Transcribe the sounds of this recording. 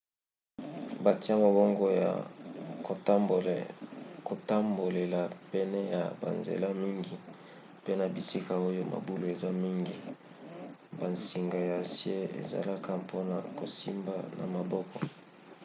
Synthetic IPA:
ba˨ti˦a˦ma˨bo˦ŋɡo˦ja̰˨ko˨˦˨ | ko˨ta˦mbo˨le˨la˨pɛ˦nɛ˦ja̰˨ba̰˨nzḛ˨la˦mi˦ŋɡi˨ | pe˦na˨bi˨si˦ka˨o˦jo˦ma̰˨bu˦lo˨e˨za˦mi˦ŋɡi˨ | ba˨nsi˨ŋɡa˨ja˨sje˦ḛ˨za̰˨la˦ka˦pʰo˦na̰˨ko˨si˦mba˦na̰˨ma˨bɔ˦kɔ˨

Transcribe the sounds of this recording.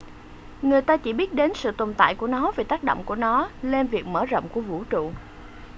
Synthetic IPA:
ŋɨ˨˩əjt̪aː˧t͡ɕi˧˩ɓi˦˥ət̚ɗe˨˦nsɨ̰˧˨t̪o˨˩nt̪a̰ː˧˨jku˧˩ənɔ˨˦ve˨˩t̪aː˦˥k̚ɗo̰˧˨wŋ͡mku˧˩ənɔ˨˦le˧nvi˨˩ək̚məː˧˩zə̰˧˨wŋ͡mku˧˩əvṵ˧˥t͡ɕṵ˧˨

